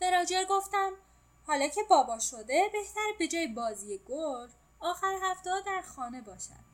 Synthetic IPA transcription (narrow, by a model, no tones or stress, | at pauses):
b̥eɾɒːd͡ʒeɾɡo̞ft̪æm | hɒːlɒːcʰe̞bɒːbɒːʃod̪e̞be̞ht̪æɾbe̞d͡ʒɒːjebɒːziːjeɡ̥oɾ | ɒːxæɾehæft̪eɒːd̪æɾxɒːne̞bɒːʃæ̰d̪̥